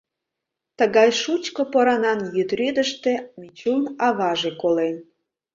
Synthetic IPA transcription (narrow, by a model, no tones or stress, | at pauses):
t̪əɣɑjʃut͡ɕkopoɾɑnɑnjyt̪ryd̪əʃt̪ĕmit͡ɕunɑβɑʒekolen